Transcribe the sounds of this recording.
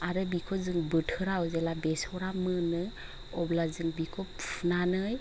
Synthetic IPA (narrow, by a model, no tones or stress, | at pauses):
aɾɯbikʰɔzɯŋbɯtʰɯɾawzelabesɔɾamɯnɯj | ɔblazɯŋbikʰɔpʰunanɯj